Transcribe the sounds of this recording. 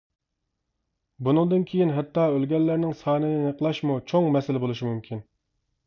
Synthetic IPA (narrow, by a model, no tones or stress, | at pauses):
bunɨŋd̪ɨnkʲʰejinɦɛt̪ːɑːølɡʲɛlːɪɾnɪŋsɑːnɨnɛnəqlˠɑʃmut͡ʃʰoŋmɛsɪlɪbolˠuʃimymkʲʰin